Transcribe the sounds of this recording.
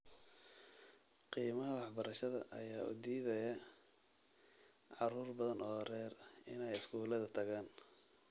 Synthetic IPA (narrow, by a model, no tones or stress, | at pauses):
qiːmɐɦɐwɑħbɐɾɐʃɐðɐ̰ʔɐ̰jaːṵːd̪iːðɐjɐ | ʕɑruːrbɐðɐnʔɔːrɛːrɪnɛjɪskuːlɐðɐt̪ʰɐɣaːn